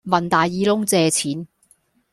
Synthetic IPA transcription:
mɐ˨˩nt̪aː˨jiː˨˧lʊ˥ŋt͡sɛː˨˧t͡sʰiː˨˥n

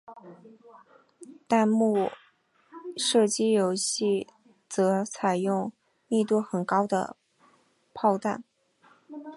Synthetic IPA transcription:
t̪a˥˧nmu˥˩ | ʂɤ˥˩t͡ɕi˥jo˧˥ʊɕi˥˩ | t͡sɤ˧˥t͡sʰa˨˩ɪjʊ˥˧ŋ | mi˥˧t̪u˥˩xə˨˩nkɑ˥ʊd̪ə̰˨ | pʰɑ˥˧ʊt̪a̰˥˩n

